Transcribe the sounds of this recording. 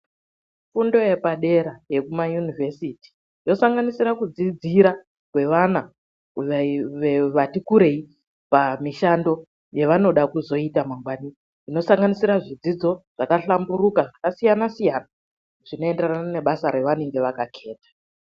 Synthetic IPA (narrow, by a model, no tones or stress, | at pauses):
fundo̞je̞paɗe̞ɾaje̞kumajunive̞siti̥ | jo̞saŋɡanisiɾakud͡zid͡ziɾa | kwe̞ʋana | ueʋeʋatikuɾe̞i | pamiʃando̞ | je̞ʋano̞ɗakuzo̞itamaŋɡwani | ino̞saŋɡanisiɾaʐid͡zid͡zo̞ʐ̥akaɬambuɾukaʐakasijanasijana | ʐ̥ino̞e̞nderanane̞ɓasaɾe̞ʋaneŋɡe̞ʋakakʰe̞ːtḁ